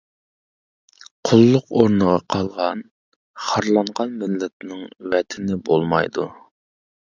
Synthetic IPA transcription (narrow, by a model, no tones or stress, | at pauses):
qʰʊlˠːʊqoɾnəʁɑqʰɑlˠʁɑn | χɑɾlˠɑɴʁɑnmɪlːɛt̪̚nɪŋvɛt̪ʰɪnɪbolˠmɑ̰jd̪u